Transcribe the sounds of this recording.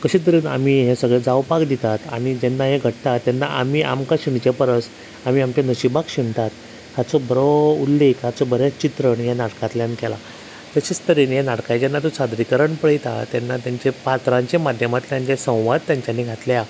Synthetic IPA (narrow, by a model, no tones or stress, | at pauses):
kəɕĩt̪̬əɾiːna̰miɦẽsəɡɭed͡zawpakd̪it̪at̪a̰ɽ̃id͡ʑɛnːaɦeɡʱəʈt̪at̪janːa̰ʔa̰miːʔa̰mkaɕiɳt͡ɕjapəɾəs | am̤iːamt͡ɕanəɕibakɕiɳt̪at̪ | hat͡sɔbəɾoulːekʰat͡sɔbəɾet͡st͡ɕit̪ɾəɳjanaʈkãt̪ljankɛla̰ | t̪əɕet͡st̪əɾiːnjanaʈkajd͡ʑɛnːat̪osad̪ɾikəɾəɳpəɽit̪a̰t̪janːat̪jaɲt͡ɕepat̪ɾãɲt͡ɕemad̪ʱjəmat̪ljãɲt͡ɕesə̃w̃ʋad̪̚t̪jaɲt͡ɕjanːiɡʱat̪lja